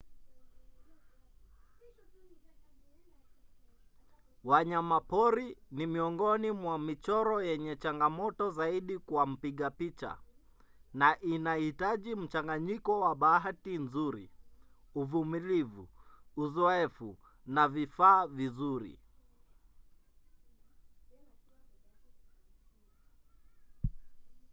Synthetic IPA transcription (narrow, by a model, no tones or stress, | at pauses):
waɲamapɔɾinimiɔŋɡɔnimwamit͡ʃɔɾɔjɛɲɛt͡ʃaŋɡamɔtɔzaiɗikwam̩piɠapit͡ʃa̰ | naʔinahitaʄim̩t͡ʃaŋɡaɲikɔwaɓaatinzuɾḭ | uvumilivuuzɔɛfu | navifaːvizuɾḭ